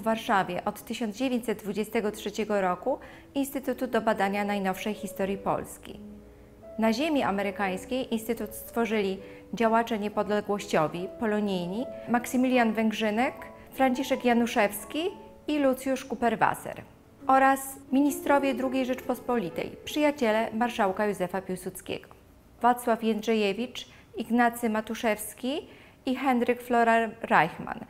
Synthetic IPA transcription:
vːaɾʂavʲjɛʔɔt̪ːɘɕɔndzd͡ʑevʲjeɲt͡ɕʲsɛt̪̚d̪vud͡ʑest̪ɛɡɔtʂɛt͡ɕɛɡɔɾɔku | inst̪ɘt̪ut̪ud̪ɔbad̪aɲanajnɔfʂɛjxʲist̪ɔɾjipɔ̰lskʲḭ | naʑemʲiʔa̰mɛɾɘkaj̃skʲejʔinst̪ɘt̪ut̪st̪fɔʐɘlʲi | d͡ʑawat͡ʂɛɲɛpɔd̪lɛɡwɔɕt͡ɕɔvʲipɔlɔɲijɲimaksɘmʲilʲjanvɛŋɡʐɘnɛk | fɾaɲt͡ɕiʂɛkjanuʂɛfskʲi | ilut̪sʲjuʂkupɛɾva̰sɛ̰ɾ | ʔɔɾasmʲiɲist̪ɾɔvʲjed̪ɾuɡʲejʐɛt͡ʂpɔspɔlʲit̪ɛ̰jpʂɘjat͡ɕɛlɛmaɾʂawkajuzɛfapʲiwsut̪skʲḛɡɔ̥ | vat̪swafjɛnd̪ʐɛjevʲit͡ʂ | iɡnat̪sɘmat̪uʂɛfskʲi | ixɛnɾɘkflɔɾaɾajxma̰n

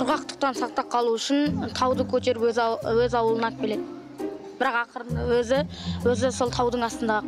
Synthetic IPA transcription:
qʰʊɾʁɑqt̪ʰə̥q̚t̪ɑnsɑq̚t̪ɑp̚qʰɑlˠuʏʃɪnt̪ʰɑwd̪əkʲʰɵt̪e̞ɾɪpɵzwɵzɑwəlˠənɑt̪̚bʰʲele̞d̪ɪ | b̥ɪɾɑqɑqʰəɾənəwɵzɪwɵzɪso̞lˠt̪ʰɑwd̪əɴɑst̪ənd̪ɑʁ

